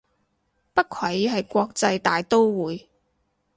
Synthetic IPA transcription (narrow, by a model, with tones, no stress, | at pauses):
pɐ˥t̚kʰɐ˨˥jɦɐ˨jkʷɔː˧k̚t͡sɐ˧jt̪aː˨jt̪o˥wwuː˨˥j